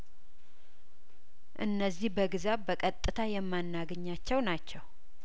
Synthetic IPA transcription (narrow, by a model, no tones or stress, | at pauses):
ʔɨ̰nːəzːihbəɡɨzaβbəkʼət̪ʼːɨt̪ʰajɛmːanːaɡəɲːat͡ʃːɛwnat͡ʃːɛw